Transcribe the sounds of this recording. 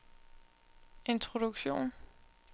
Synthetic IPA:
ʔe̝nt͡sʰʁod̥uɡ̥ɕo̝̰ːn

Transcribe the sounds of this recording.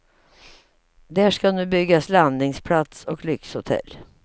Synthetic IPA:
d̪æʂkanʉ̟ːbʏɡːasland̪nɪŋspʰlat̪sɔklʏkshʊt̪ʰɛ̰lː

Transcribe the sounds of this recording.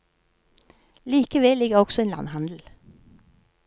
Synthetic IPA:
liːkəʋɛlɪɡəʁɔɡ̥sɔeːnlɑ̰nhɑnd̪l̩

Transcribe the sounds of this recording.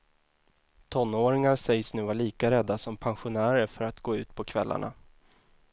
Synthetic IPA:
t̪ʰɔnːoːɾɪŋaɾsɛjsnʉ̟ːvaɭiːkaɾɛd̪ːasɔmpʰanɧʊnæːɾəɾfœɾat̪ɡoːʉ̟ːt̪pʰɔkʰvɛlːʔa̰ɳa̰

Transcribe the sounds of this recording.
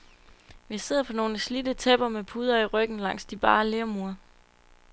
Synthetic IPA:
ʋise̝ð̰ˠɐpʰɒ̽no̝ːləslidət͡sʰeb̥ɐmepʰuð̞ˠɐiʁœɡ̥n̩lɑ̈ŋ̰sd̥ib̥ɑ̈ːle̝ʊmuɐ

